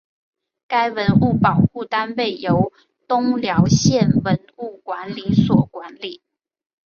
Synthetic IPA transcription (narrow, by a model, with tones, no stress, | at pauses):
ka˥ɪwə˧˦˥nu˥˩pɑ˨˩ʊxu˥˨t̪a˦npe˥˩ɪjo˨˦ʊ | t̪ʊ˥ŋljɑ˧˦ʊɕjɛ˥˨nwə˨˦nu˥˩kwa˧˦nli˨˩swɔ˨˩kwa˨˦nli˨˩˦